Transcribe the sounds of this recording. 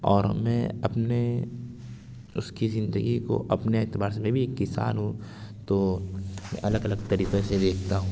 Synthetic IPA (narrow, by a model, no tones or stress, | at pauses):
ɔːɾmɛ̃ɐpne | ʊskizɪ̃nd̪əɡiko̰ʔɐpneet̪ɪbaːɾsmẽbʱikɪsa̰ːnɦũ | t̪omɛ̰̃ʔɐləɡɐləɡ̚t̪ɐɾiːqesed̪eːkʰt̪aɦũː